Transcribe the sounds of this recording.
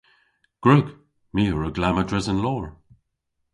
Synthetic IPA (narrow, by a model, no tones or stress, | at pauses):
ɡ̥ɹʉɡ | miːəɹəɡlamədɹɪzənlɔːɹ